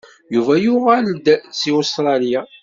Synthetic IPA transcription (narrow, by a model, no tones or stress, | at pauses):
juvæjʊʁæld̪t͡sːiust̪ɾˤɑlja